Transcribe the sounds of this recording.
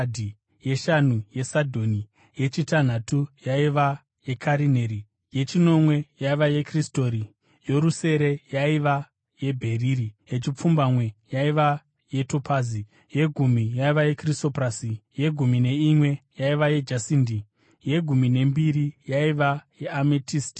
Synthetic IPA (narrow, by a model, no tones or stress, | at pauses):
dʱi | je̞ʃanuje̞sadʱo̞ni | je̞t͡ʃitan̤atujaiʋa | jekʰaɾineɾi | je̞t͡ʃino̞mwe̞jaiʋaje̞kristoɾi | jo̞ɾuse̞ɾe̞jaiʋa | je̞bʱe̞riːrije̞t͡ʃip͡fumbamwe̞jaiʋa | je̞to̞pʰaːzi | je̞ɡʱumijaiʋaje̞kriso̞prasije̞ɡʱumine̞imwe̞jaiʋaje̞d͡ʒasindi | je̞ɡʱumine̞mbiɾijaiʋajeametisti̥